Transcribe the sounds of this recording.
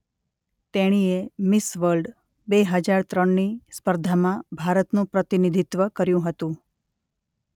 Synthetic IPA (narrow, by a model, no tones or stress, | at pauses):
t̪eɽ̃iemɪsʋəɾlɖ | beɦəd͡ʒaɾt̪ɾəɳːispəɾd̪ʱamãbʱaɾət̪nũpɾət̪inid̪ʱit̪ʋəkəɾjũɦət̪ũ